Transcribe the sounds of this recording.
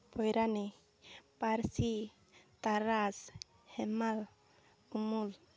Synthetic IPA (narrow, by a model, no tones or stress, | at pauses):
pʰɔjɾani | paɾsi | t̪aɾaz | hɛmal | umul